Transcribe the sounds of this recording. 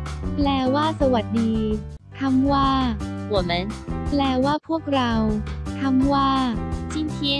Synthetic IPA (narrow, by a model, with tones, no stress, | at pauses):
plɛː˧˩waː˥˩sa˧wa˨˩t̪̚diː˧ | t̪ʰa˧˥mwaː˥˩˥wo˨˩me˦˥nplɛː˧˩waː˥˩pʰu˥˩ək̚ɾa˧wt̪ʰa˧˥mwaː˥˩t͡ɕi˥˩nt̪ʰi˧˥